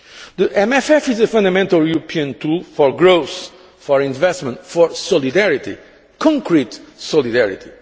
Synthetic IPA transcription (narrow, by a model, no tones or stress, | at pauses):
ðəʔɛ̃mɛfɛfizəfɐ̃nd̪ɐmɛ̃nt̪alˠjuɾopʰiə̃nt̪ʰulˠfɔɾɡɾows | fɔɾĩnvɛstmə̃nt̪fɔɾsɔlˠid̪ɛɾit̪ḭ | kʰɔ̃ŋkɾit̪sɔlˠid̪ɛɹḭt̪ʰi